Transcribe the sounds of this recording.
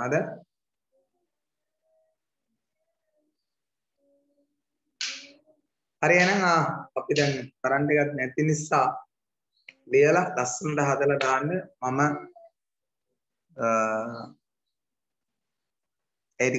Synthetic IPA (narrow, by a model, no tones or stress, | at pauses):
ad̪a | haɾienaŋaːpid̪ɛnk̪aɾaɳɖeɡat̪nɛt̪inisːaː | lijəlad̪asːənəʈəɦad̪əlad̪aːnɖəmamə | æjt̪i